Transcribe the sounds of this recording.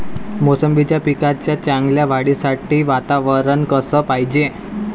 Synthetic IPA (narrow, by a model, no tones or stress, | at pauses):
mosəmbit͡ɕjapikat͡ɕjat͡ɕãŋɡljaʋaɽisaʈiːʋat̪aʋəɾəɳkəsəːpaɦid͡ʑe